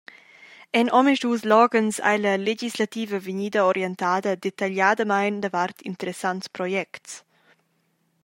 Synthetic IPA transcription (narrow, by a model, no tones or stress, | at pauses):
ɛnʔɔmiʃd̪uslɔɡənsa̰jlɐled͡ʒislat̪iːvəviɲiːd̪əoɾjɛnt̪aːd̪əd̪et̪aʎaːd̪əmajnd̪avart̪int̪əɾɛsanspɾɔjɛkts